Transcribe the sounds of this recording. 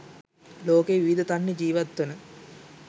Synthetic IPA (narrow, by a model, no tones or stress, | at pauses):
loːkeʋiʋid̪ət̪anːed͡ʒiːʋat̪ːənə